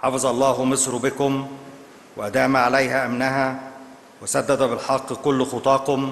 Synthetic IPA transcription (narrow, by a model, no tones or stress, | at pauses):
ħɑfɑzˤɑlˤːɑːɦʊmesˤɾbɪkʊm | wɪʔæd̪æːmæʕalæjɦæʔæmnæɦæ | wɪsæd̪ːæd̪æbɪlħɑqːkʊlːxot̪ˤɑːkʊm